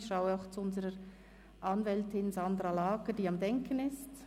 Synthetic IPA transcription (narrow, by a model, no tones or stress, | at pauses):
çʃaʊəaʊxt͡suʊnzəɾəɾ | ʔɑnvɛltɪnzɑnd̪ɾalaːɡəd̥iːɑmdɛŋkʰənɪst